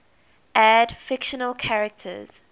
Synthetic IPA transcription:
ʔæd̥fɪkʃənəlˠkʰaɹɛk̚tʰə̰z̥

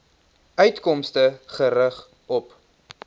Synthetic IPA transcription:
œɥtkɔmstəχəɾəχ | ɔp

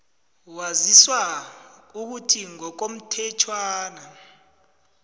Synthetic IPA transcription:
waziswa | uk̬utʰiŋɔk̬om̩tʰɛt͡ʃʰwaːna

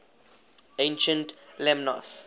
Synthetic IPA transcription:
ẽnʃə̃ntlɛmnɔ̰s

